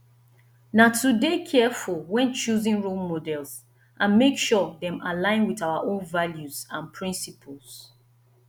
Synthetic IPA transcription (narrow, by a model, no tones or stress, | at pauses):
natʰudekʰɛfulwɛ̃nt͡ʃuzĩnɹolmodɛlz | ʔãnmekʃɔðɛ̃malãɪ̃nwiðaʊaʔõnvaljuzãnpʰɹĩnsipʰəlˠz